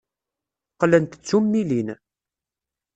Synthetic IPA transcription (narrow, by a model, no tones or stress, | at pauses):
qlənt̪t͡sːumːilin